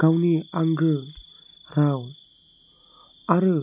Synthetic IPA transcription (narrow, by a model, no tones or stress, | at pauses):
ɡ̥awniaŋɡɯ | ɾaw | aɾɯ